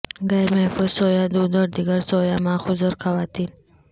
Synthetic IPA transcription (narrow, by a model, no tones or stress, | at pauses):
ɡajɾmefuzsoːjad̪uːd̪ɔɾd̪iɡɐɾsoːjamaːxʊzuɾxɐwaːt̪iːn